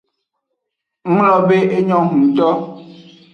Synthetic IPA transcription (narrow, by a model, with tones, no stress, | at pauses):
ŋ̩˦lɔ˨be˦ʔe˦ɲɔ̃˦ɦũ˨t̪ɔ˦